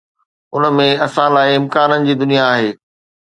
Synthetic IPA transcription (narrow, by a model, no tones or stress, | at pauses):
ʊnəmẽɐsãlaːɪɪmkaːnənɪ̆d͡ʑiːd̪ʊnijaːɦeː